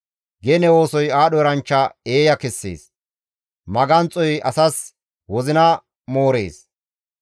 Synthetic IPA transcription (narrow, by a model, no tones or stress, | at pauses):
ɡɛnɛwo̞ːsɔjaːɗɔɾɐnt͡ʃːɐeːjɐkɛsːḛːs | mɐɡɐnt͡sʼːɔjɐsɐs | wɔzɪnɐ | mo̞ːɾḛːs